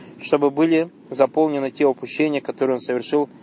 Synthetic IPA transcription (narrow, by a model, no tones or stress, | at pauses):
ʂt̪obɨbɨlʲɪ | zɐpo̞lˠnʲɪnɨtʲeʊpʊɕːenʲɪjəkɐt̪oɾɨjo̞nsəvʲɪrʂɨlˠ